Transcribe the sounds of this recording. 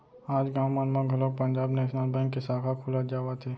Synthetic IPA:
aːd͡ʒɡãːmmənmãɡʱəlok̚pə̃nd͡ʒaːbnɛːʃnəlbɛ̃ːŋkːesaːkʰakʰuːlad͡ʒaːwat̪ʰeː

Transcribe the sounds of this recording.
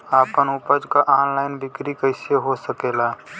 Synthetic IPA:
aːpənʊpəd͡ʒkaʔaːnlaːɪnbɪkɾikəɪseɦosəkeːlaː

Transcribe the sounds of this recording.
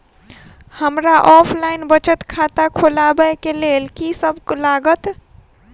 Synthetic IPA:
həmɾaʔɔpʰlaɪnbət͡ʃət̪kʰat̪akʰolabəekelelkisəbʱklaɡət̪

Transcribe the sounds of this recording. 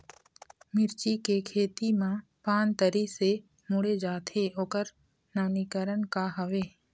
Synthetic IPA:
mɪɾt͡ʃikekʰeːt̪imã | paːnt̪əɾise | mʊɽed͡ʒaːt̪ʰeoːkəɾ | naːnikəɾənkaɦəʋeː

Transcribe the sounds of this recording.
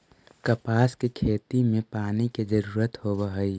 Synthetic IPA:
kəpaːskekʰeːt̪imẽpaːniked͡ʒəɾuːɾət̪hoːbəɦəi

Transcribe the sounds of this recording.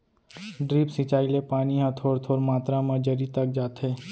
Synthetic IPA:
ɖɾiːpsɪ̃t͡ʃaːilepaːniɦãt̪ʰoːɾt̪ʰoːɾmaːt̪ɾamɐ̃d͡ʒəɾit̪ɐk̚d͡ʒaːt̪ɦeː

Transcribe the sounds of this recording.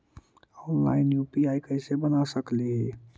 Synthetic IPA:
ɔnla̰ɪnjupiajkəɪsebənasəkliɦe

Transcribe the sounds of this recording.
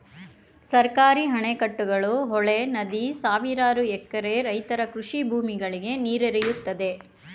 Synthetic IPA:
sɐɾkaːɾiɦɐɳekɐʈːuɡɐɭuɦɔɭenɐd̪isaːʋiɾaːɾuɛkːɐɾe̞ɾɐjt̪ɐɾɐkɾuʂibʱuːmiɡɐɭiɡe̞niːɾeɾɛjut̪ːɐd̪e̞

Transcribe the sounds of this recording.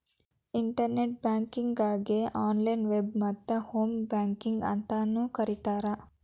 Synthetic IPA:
iɳʈɐɾneʈ̚bjaːŋkiŋɡaːɡeʔaːnlɐjnʋebmɐt̪ːɐhoːmbaːŋkiŋɡɐ̰nt̪ɐnuːkɐɾit̪aːɾɐ

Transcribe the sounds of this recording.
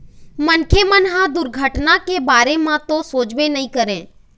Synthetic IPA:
mənkʰemənɦãd̪ʊɾɡʱəʈnakebaːɾemãt̪osoːd͡ʒʋenəĩkəɾẽː

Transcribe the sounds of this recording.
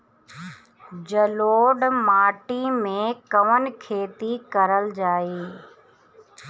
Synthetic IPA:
d͡ʑɐloːɖmaːʈimẽkɐʋənɪ̆kʰeːt̪ikɐɾəld͡ʒaːiː

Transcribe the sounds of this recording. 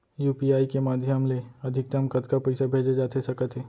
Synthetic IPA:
juːpiaːikemaːd̪ʱjəmleɐd̪ʱɪk̚t̪ɐmkət̪kapɛɪsabʱeːd͡ʒad͡ʒaːt̪esɐkət̪ʰɦɛː

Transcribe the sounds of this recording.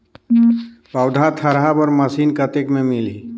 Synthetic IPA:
bəwd̪ʱat̪ʰəɾabɔɾməsiːnkət̪ekmẽmɪli

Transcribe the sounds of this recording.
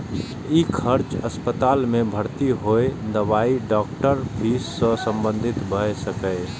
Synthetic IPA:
ikʰəɾt͡ʃəspət̪aːlmẽbʱəɾt̪iɦoed̪əʋaːiɖɔːk̚ʈəɾpʰiːsːə̃sə̃mbə̃nd̪ʱɪt̪bʱəesəkə

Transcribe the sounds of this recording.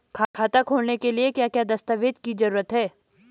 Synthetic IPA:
kʰaːkʰaːt̪akʰoːlnekeliekjaːkjaːd̪ɐst̪aʋeːd͡ʒ̪kid͡ʒɐɾuːɾət̪ɦɛː

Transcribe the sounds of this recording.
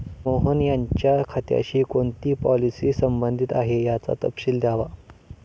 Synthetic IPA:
moɦənjaɲt͡ɕjakʰat̪ja̰ɕiːkoɳt̪iːpɔlisiːsəmbənd̪ʱit̪aɦejat͡sa̰t̪ə̰pɕiːld̪jaʋa

